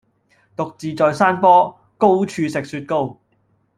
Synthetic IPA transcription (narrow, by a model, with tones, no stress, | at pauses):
t̪ʊ˨k̚t͡siː˨˧t͡sɔː˨jsaː˥npɔː˥ | ko˥wt͡ʃʰyː˧sɪ˨k̚syː˧t̚ko˥w